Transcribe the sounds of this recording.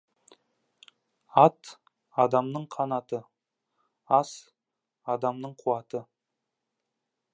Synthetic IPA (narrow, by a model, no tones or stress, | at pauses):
ɑt̪ | ɑd̪ɑmnəɴqʰɑnɑt̪ə | ɑs | ɑd̪ɑmnəɴqʰuwɑt̪ə